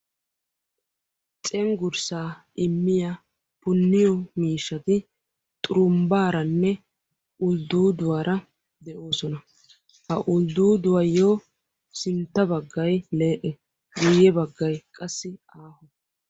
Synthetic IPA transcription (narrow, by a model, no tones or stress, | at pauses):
t͡sʼɛŋɡʊɾsaːʔɪmːɪja | pʊnːɪjɔmiːʃːɐt̪ɪ | t̪ʼʊɾʊmbaːɾɐnːɛ | ʔʊld̪uːd̪ʊwaːɾɐ | d̪ɛʔo̞ːsɔnɐ | hɐʔʊld̪uːd̪ʊwɐjoː | sɪnt̪ːɐbɐɡːɐjle̞ːʔɛ | ɡuːjɛbɐɡːɐjkʼɐsːɪ | aːhɔ